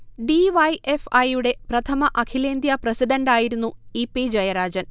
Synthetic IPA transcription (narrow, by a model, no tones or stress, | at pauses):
ɖiʋɐjʔefɐjuɽe̞prɐt̪ʰɐmɐʔɐkʰileːnd̪jɐprɐsiɖɐɳɖaːjiɾunːuipːid͡ʑɐjɐɾaːd͡ʑɐn